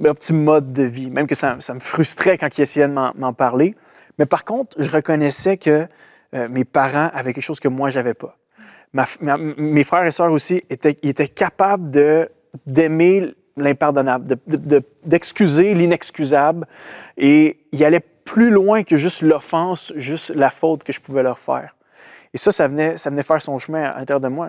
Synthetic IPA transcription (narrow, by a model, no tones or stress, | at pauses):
mɔ̃pət̪imɔd̪ːəvimɛ̃mkəsamsaməfʁyst̪χɛkɑ̃kiesɛjɛd̪əmɑ̰̃mɑ̃paʁle | mɛpaʁkɔ̃t̪χʒəʁəkɔnɛsɛkʲʰəː | mepaʁɑ̃ʔavɛkʲɛkʃoz̥kəmwaʒavɛpa | mafmamefʁɛːʁesœːʁosiet̪ɛiet̪ɛkʲapabld̪ə | d̪eme | lɛ̃paʁd̪ɔnabld̪əd̪əd̪ə | d̪ɛkskʲyzelinɛkskʲyzableilalɛ | pʰlylwɛ̃kəʒʏst̪lɔfɑ̃sʒʏst̪lafot̪kəʒə̥puvɛlœʁfɛ̰ːʁ | esʌsavənɛsavənɛfɛːʁsɔ̃ʃmɛ̃a̰lɛ̃t̪eʁjɛʁd̪əmwa